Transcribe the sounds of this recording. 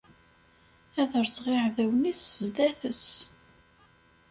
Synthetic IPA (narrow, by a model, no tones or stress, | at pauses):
æðəɾsʁɪʕðæwniszd̪æθəs